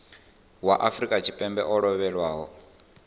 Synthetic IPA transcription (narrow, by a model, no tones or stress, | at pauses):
waʔafɾikʼat͡ʃʰipʼɛmbɛʔɔɺɔβɛɺwaːɦɔ